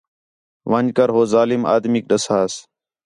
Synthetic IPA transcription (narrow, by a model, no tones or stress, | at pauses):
ʋənkəɾɦoːzaːlɪma̰ːd̪miːk̚ɗəsaːs